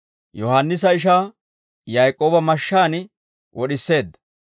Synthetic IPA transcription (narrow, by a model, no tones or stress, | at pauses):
jɔhanːɪs̬ɐɪʃ̬aː | jɐjkʼoːbɐmɐʃːaːnɪ | wɔɗɪsːe̞ːd̪ːɐ̥